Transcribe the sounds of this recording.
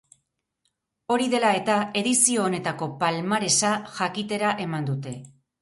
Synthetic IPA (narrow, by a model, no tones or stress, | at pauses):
o̞ɾiðe̞lae̞t̪ae̞ðisio̞ːne̞t̪ako̞palmaɾe̞saʝakit̪e̞ɾaʔe̞mand̪ut̪e̞